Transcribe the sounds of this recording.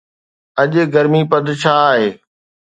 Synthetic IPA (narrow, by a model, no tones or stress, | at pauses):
ɐʄɡɐɾmipɐd̪t͡ɕʰaːɦeː